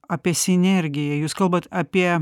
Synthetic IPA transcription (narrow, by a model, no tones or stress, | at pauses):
ɑːpʲiɛsʲɪnʲɛɾʲɡʲɪjɛjuːskɐlˠbɐt̪ɑːpʲiɛ